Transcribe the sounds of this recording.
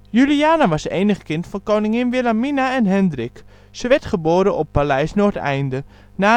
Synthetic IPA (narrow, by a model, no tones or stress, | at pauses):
jyliaːnəʋɑsḛːjnəχkɪntfɔnkoːnɪŋɪnʋɪlaminaɛnɦɛndrɪk | səʋɛɹtχəboːɾəʔɔpːalɛjsnoətɛ̰jndə | naː